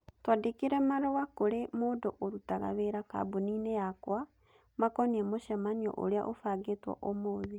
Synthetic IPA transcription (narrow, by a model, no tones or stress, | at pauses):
twadekeɾɛmaɾɔwakoɾemoːdoʔoɾutaɣa̰βeːɾaka̰ːboniːnejakwa | makɔniɛmoʃɛmaniɔ̰ʔo̰ɾea̰ʔofaɣetwɔ̰ʔomoːðe